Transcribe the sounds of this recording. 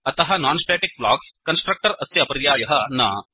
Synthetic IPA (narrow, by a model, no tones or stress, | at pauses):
ɐt̪ɐɦɐnaːnsʈeːʈik̚bla̰ːkskɐnsʈɾɐk̚ʈɐɾɐsjɐɐpɐɾjaːjɐɦɐnɐː